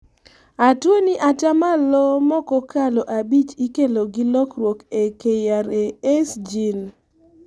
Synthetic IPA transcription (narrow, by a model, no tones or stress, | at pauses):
atwoniʔat͡ʃamalɔmɔkɔkaloʔabit͡ʃikeloɡilɔkrwokekejaɾeesd͡ʒin